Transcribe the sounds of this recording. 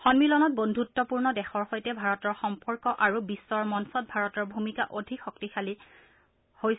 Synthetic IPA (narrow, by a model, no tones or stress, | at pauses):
xɔnmilɔnɔt̚bondʱutːɔpuɹnɔdɛxɔɹxojtɛbʱaɹɔtɔɹxɔmpɔɹkɔʔaɹubisːɔɹmɔnsɔt̚bʱaɹɔtɔɹbʱumikaʔodʱikxɔktixʰali | hojs